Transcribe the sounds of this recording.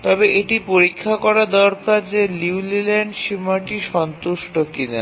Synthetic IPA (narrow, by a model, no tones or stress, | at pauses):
t̪ɔbeʔeʈipoɾikʰːakɔɾad̪ɔɾkaɾd͡ʑeliwlileɳɖʃimaʈiʃɔnt̪uʃʈokina